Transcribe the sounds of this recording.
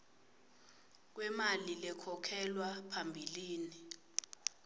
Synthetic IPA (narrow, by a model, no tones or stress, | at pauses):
k̬wɛmalilɛkʰɔkʰɛlwapʰambʱiliːni